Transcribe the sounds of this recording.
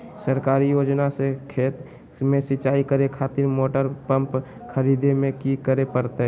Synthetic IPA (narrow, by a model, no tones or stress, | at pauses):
səɾkaːɾijoːd͡ʒnasekʰeːt̪ | mẽsɪt͡ʃaːikəɾekʰaːt̪iɾmoːʈəɾpə̃mp | kʰəɾiːd̪emẽkikəɾepəɾt̪eɦ